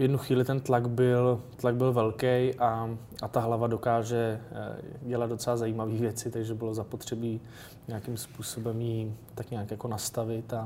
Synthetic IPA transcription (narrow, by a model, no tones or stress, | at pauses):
vjɛdnuxviːlɪt̪ɛnt̪laɡbɪlt̪laɡ̚bɪlvɛlkɛjʔa | at̪aɦlavado̞kaːʒɛ | ɟɛlad̪̚do̞t͡sɛlazajiːmaviːvjɛt͡sɪt̪aɡʒɛbɪlo̞zapo̞t̪r̝̥ɛbiː | ɲɛakɪmspuːsobɛmjit̪akɲaaːkjako̞nast̪avɪt̪a